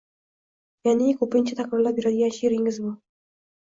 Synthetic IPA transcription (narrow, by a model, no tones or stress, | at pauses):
janikʰɵpɪnʲt͡ʃʰat̪ʰakɾɪɾlˠapbeɾad̪ɡʲanʃɾɪŋɪzbʊ